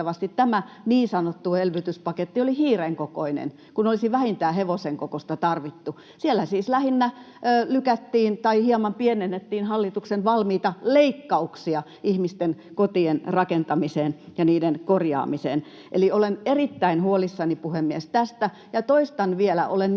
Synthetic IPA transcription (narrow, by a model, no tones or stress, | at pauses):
ɑʋɑst̪it̪tæmæ | niːnsɑnot̪ːuelʋyt̪yspɑket̪ːiolihiːreŋkokoinḛn | kunolisiʋæhint̪æːheʋoseŋkokost̪ɑt̪ɑrʋit̪ːu | sielːæsiːslæhinːæː | lykæt̪ːiːnt̪ɑihiɑmɑmpienenːet̪ːiːnhɑlːit̪uksenʋɑlmiːt̪ɑleikːɑuksiɑ | ihmist̪enkot̪ienrɑkent̪ɑmiseːnjɑniːdenkorjɑ̰ːmisḛːn | ʔḛliolenerit̪ːæinhuolisːɑnipuhemːiest̪æst̪æ | jɑt̪oist̪ɑnʋielæʔolen